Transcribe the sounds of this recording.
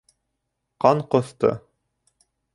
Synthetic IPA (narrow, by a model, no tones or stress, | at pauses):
qɑɴqŏθt̪ɤ̰